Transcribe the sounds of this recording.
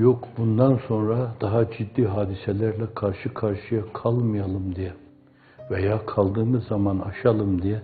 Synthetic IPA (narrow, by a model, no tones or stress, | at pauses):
jokbund̪anso̞nɾad̪̥aɦad͡ʒid̪ːiːɦaːd̪iselʲæɾlʲɛkʰaɾʃɯkʰaɾʃɯjakʰalˠmɯjalˠɯmd̪ijɛ | vejaːkʰalˠd̪ɯːmɯzːamana̰ʃalˠɯmd̪ijɛ